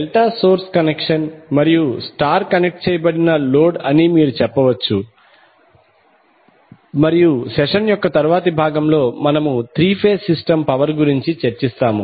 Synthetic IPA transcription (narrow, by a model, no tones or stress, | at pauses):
ɛlʈaːso̞ːɾskɐnekʂɐnmɐɾijusʈaːɾkɐnek̚ʈ̚t͡ʃɛːjɐbɐɽinɐlo̞ːɖɐnimiːɾut͡ʃɛpːɐʋɐt͡ʃːu | mɐɾijusɛʂɐnjɔkːɐt̪ɐɾuʋaːt̪ɐbʱaːɡɐmlo̞ːmɐnɐmut̪ɾiːpʰeːsisʈɐmpɐʋɐɾɡuɾiɲt͡ʃit͡ʃeɾt͡ʃist̪aːmṵ